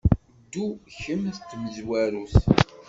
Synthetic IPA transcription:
d̪ːuçəmθt̪ːməzwæɾuθ

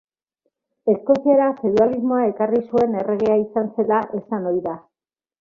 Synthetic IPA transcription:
e̞sko̞siaɾafeðualizmo̞ae̞karisue̞ne̞re̞ɣ̞eaisanse̞laʔe̞sano̞jða

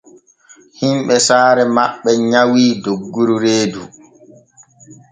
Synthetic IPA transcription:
himɓɛsaːɾɛmaɓːɛɲawiːdoɡːuɾuɾeːdu

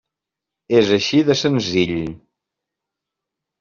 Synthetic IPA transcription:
ezəʃiðəsənziʎʲ

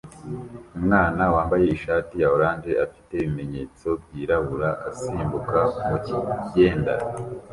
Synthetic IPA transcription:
umŋaːnawaːmbaje̞iʃaːtijaoɾaːnd͡ʒe̞ʔafi̥te̞βime̞ɲe̞t͡so̞b̚ɟiːɾaβuɾaʔasiːmbukaumociɟe̞ːnda̰

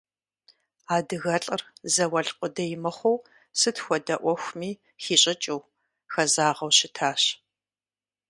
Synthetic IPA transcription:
aːdɨɣɐɬʼɨrzɐwɐɮqʷʼʊdɐjɪmɨχʷɔw | sɨtxʷɔdɐʔʷɔxʷmiː | xiːɕʼɪt͡ʃʼuw | xɐzaːʁɐwɕɪtʰaːɕ

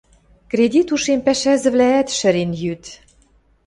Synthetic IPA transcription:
kred̪ʲit̪uʃempæʃæzɘ̆βlæːt̪ʃɘ̆ɾenjyt̪

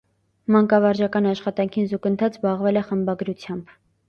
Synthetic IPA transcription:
mɑŋkɑvɑɾd͡ʒɑkɑnɑʃχɑt̪ɑŋkʰinzukənt̪ʰɑt͡sbɑʁvɛlɛχəmbɑɡɾut͡sʰjɑmb

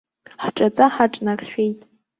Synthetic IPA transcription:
ħʈ͡ʂʼat͡sʼaħaʈ͡ʂʼnarʃᶣejtʼ

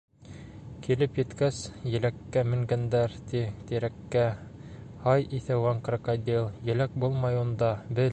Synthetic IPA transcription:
kilɘpjɘ̆t̪kæsjɘ̆lækːæmɘ̆ŋɡænd̪æɾt̪it̪iɾækːæ | hɑjiθæwɑŋqrŏkod̪ʲilˠjɘ̆læk̚bulˠmɑjund̪ɑbɘ

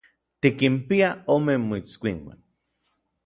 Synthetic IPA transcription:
t̪ikimpiaomemːoit͡skʷiŋwa̰n

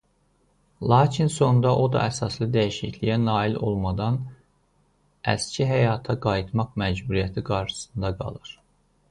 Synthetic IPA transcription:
lˠɑːcʰinso̞nd̪ɑʔo̞d̪ɑ̰ʔæsɑslˠɯd̪æjiʃiclijænɑːilo̞̰lˠmɑd̪ɑn | æ̰scʰiɦæjɑːt̪ʰɑɡɑjit̪ʰmɑqmæd͡ʒbuɾijæt̪ʰiɡɑɾʃɯ̥sɯ̥nd̪ɑɡɑ̰lˠɯɾ̥

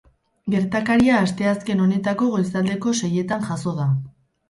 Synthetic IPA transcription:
ɡe̞ɾt̪akaɾiaːst̪e̞aske̞no̞ne̞t̪ako̞ɣojsald̪e̞ko̞se̞je̞t̪anʝaso̞ð̞a

